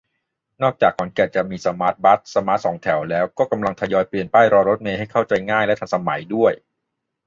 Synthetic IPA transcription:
nɔː˥˩k̚t͡ɕaː˨˩k̚mɔ˩˦nkɛː˨˩t̚t͡ɕa˨˩miː˧sa˧maː˦˥t̪̚ba˦˥t̪̚sa˧maː˦˥t̪̚sɔː˩˦ŋt̪ʰɛ˩˦wlɛː˦˥wkɔː˥˩ka˧mla˧ŋt̪ʰa˧jɔː˧jpli˨˩ənpaː˥˩jɾɔː˧ɾo˦˥t̪̚meː˧ha˥˩jkʰa˥˩wt͡ɕa˧jŋaː˥˩jlɛ˦˥t̪ʰa˧nsa˧ma˩˦jdu˥˩əj

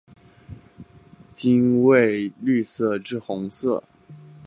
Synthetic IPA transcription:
t͡ɕi˥nwe˥˩˧ɪly˥˧sɤ˥˧ʈ͡ʂɻ̩˥˧xʊ˧˥ŋsɤ˥˩

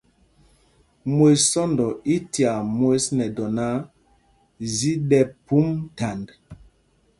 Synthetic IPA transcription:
mo˨ssɔ˦ndɔ˨i˦ti˨a˨mo˦snɛ˨dɔ˨na˦ | zi˦ɗɛ˨pu˦mta˨nd

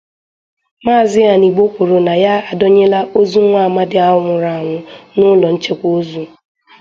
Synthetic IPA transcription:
maː˦˨zɪ˦ɣa˨ni˨ɡ͡bo˦kʷo˨ɾo˨na˨ja˦a˨dɔ˦ɲe˦la˦o˦zu˦ŋʷa˦˨ma˦dɪ˨˦a˦ʊ˦ŋʷʊ˨ɾa˨ŋʷʊ˨nʊ˦lɔ˨n̩˦t͡ʃe˦kʷzu˨

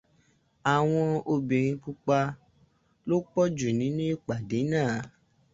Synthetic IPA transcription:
a˨w̃ɔ̃˧o˧bi˨ɾ̃ĩ˧k͡pu˧k͡pa˧ | lo˦k͡pɔ˦d͡ʒu˨nĩ˨˦nũ˦i˦˨k͡pa˨de˨˦nãː˦˨˦

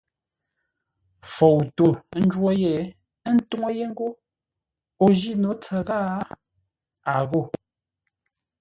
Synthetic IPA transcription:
fo˨wto˨˦n̩˦d͡ʒwo˦je˨˦ | n̩˦tu˦ŋo˦je˦ŋ̩˦ɡo˦ | o˨ʒi˦˨no˨˦t͡sɛ˨ɣa˦ | a˨ɣo˦˨

